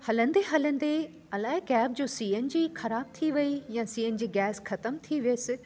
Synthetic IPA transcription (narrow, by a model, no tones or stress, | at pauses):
hɐlə̃n̆d̪eɦɐlə̃n̆d̪e | ɐlaːɦɪkɛːb̚d͡ʑoːsiːənd͡ʑiːxɐɾaːb̚t̪ʰiʋɐijãsiːən̆d͡ʑiːɡɛːsxɐt̪əmt̪ʰiʋijeːsɪ